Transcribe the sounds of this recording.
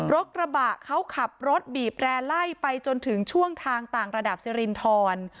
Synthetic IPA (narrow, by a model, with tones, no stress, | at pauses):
ɾo˦˥t̪̚ɾa˧baː˨˩ʔkʰa˦˥wkʰa˨˩p̚ɾo˦˥t̪̚biː˨˩p̚ɾɛː˧la˥˩jpa˧jt͡ɕo˧nt̪ʰɯ˩˦ŋt͡ɕʰu˥˩əŋt̪ʰaː˧ŋt̪aː˨˩ŋɾa˧da˨˩p̚si˧ɾi˧nt̪ʰɔː˧n